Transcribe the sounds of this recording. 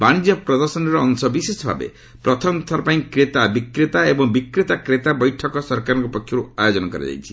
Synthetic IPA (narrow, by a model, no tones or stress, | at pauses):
baɽ̃id͡ʒɔpɾɔd̪ɔɾsɔnɔɾɔːŋsɔbisesɔbʱa̰bḛ | pɾɔt̪ʰɔmt̪ʰaɾɔpãĩkɾet̪abikɾit̪aebɔŋbikɾit̪akɾet̪abɔjʈʰɔkɔsɔɾkaɾɔ̃ŋkupɔkʰjɔɾuajod͡ʒɔnɔkɔɾḭd͡ʒa̰jt͡ʃʰi̥